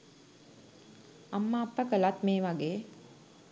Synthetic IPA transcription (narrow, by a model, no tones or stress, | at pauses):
amːaːpːəkəlat̪meːʋaɡeː